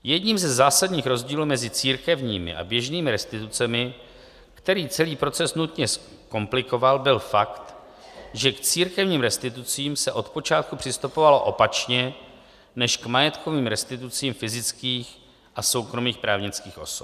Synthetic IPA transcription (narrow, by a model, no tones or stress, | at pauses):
jɛdɲiːmzɛzːaːsadɲiːxɾo̞zɟiːluːmɛzɪt͡siːɾkɛvɲiːmɪ̰ʔa̰bjɛʒniːmɪɾɛst̪ɪt̪ut͡sɛmɪ | kt̪ɛɾiːt͡sɛliːpɾo̞t͡sɛsnut̪ɲɛs | ko̞mplɪko̞valbɪlfakt̪ | ʒɛkt͡siːɾkɛvɲiːmɾɛst̪ɪt̪ut͡siːmsɛʔo̞t̪po̞t͡ʃaːt̪̚kupr̥ɪst̪upo̞valo̞ʔo̞pat͡ʃɲɛ | nɛʃkmajɛt̪kʰo̞viːmɾɛst̪ɪt̪ut͡siːmfɪzɪt͡skiːx | ʔaso̞wkɾo̞miːxpɾaːvɲɪt͡skiːxʔo̞̰sop̚